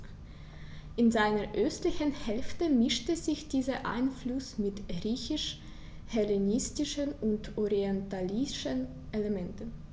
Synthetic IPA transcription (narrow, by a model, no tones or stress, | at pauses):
ʔɪnzaɪnəʔœstlɪçənhɛlftəmɪʃtəzɪçd̥iːzɐʔa̰ɪnflʊsmɪtʁiːçɪʃ | hɛlenɪstɪʃənʊntʔɔʁiɛntaliʃən | ʔelemɛntən